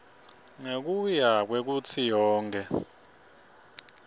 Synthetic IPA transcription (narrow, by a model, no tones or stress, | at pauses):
ŋek̬ujak̬wɛk̬ut͡sʰijɔːŋkʰɛ